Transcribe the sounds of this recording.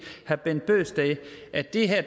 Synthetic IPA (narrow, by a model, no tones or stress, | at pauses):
hæb̥en̰d̥̚b̥ø̰ːsd̥ɛɪʔæd̥e̝ɦɛɐ̰d̥